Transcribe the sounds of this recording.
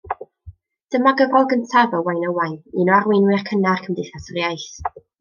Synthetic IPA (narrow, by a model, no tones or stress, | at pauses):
d̥əmaɡəvɔɡəntʰavəwajnəwajninɔarwɪnwɪrkʰənarkʰəmdejθasərjajɬ